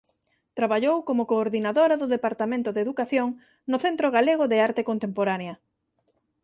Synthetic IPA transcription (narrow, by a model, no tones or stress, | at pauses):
t̪ɾaβaʎowkomʊkoːɾðinaðoɾaðʊðepaɾt̪amẽnt̪ʊðeðukaθjoŋ | nʊθent̪ɾoɣaleɣ̞oðeaɾt̪ekont̪empoɾaneɐ